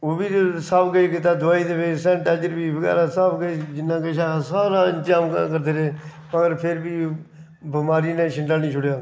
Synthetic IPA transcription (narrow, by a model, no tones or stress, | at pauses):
oːbiːsaːpɡəiːkɪt̪aːd̪ʊʋaːiːt̪eːpeːsɛ̃ʈaːd͡ʒəɾbiːbəɡɛ̰ːɾaːsaːpɡəeːd͡ʒɪnãːkeʃãːsaːɾaːənd͡ʒaːmkːkəɾd̪eːɾeː | məɡəɾpʰɪɾbiː | bəmaːɾiːnẽːʃɪɳɖaːnĩːt͡ʃʰʊɽjaː